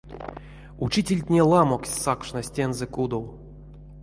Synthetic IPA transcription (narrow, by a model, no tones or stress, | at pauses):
ut͡ʃitʲelʲtʲnʲelˠamoksʲsakʂnasʲtʲenzɛkud̪ow